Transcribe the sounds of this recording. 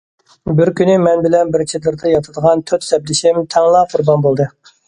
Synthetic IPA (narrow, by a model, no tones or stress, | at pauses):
bɪɾkʲynɪmɛnbɪlɛnbɪɾt͡ʃʰed̪ɨɾd̪ɨjɑt̪ʰɨd̪əʁɑnt̪ʰøt̪sɛb̚d̪ɪʃɪmt̪ʰɛŋlˠɑqʰʊɾbɑnbolˠd̪ɨ